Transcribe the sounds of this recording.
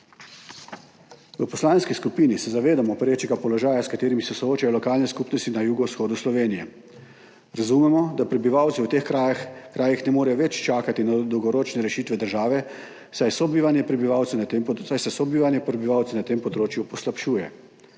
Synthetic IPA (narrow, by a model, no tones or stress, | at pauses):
ʋəpɔslaːnskiskupiːnisɛzaʋeːd̪amɔpɾeːt͡ʃɛɡapɔlɔʒaːjaskat̪eːɾimisɛsɔoːt͡ʃajɔlɔkaːlnɛskupnɔst̪inajuːɡɔwsxoːd̪uslɔʋeːnijɛ | ɾazumɛmɔd̪apɾɛbiʋaːwt̪siwt̪exakɾaːjixnɛmoːɾɛjɔʋɛt͡ʃt͡ʃaːkat̪inad̪ɔwɡɔɾoːt͡ʃnɛɾɛʃiːt̪ʋɛd̪əɾʒaːʋɛ | sajsɔbiʋanjɛpɾɛbiʋawt̪ɛnsajsɛsɔbiʋanjɛpɾɛbiʋaːwt̪sɛnat̪eːmpɔd̪ɾoːt͡ʃjupɔslapʃuːjɛ̰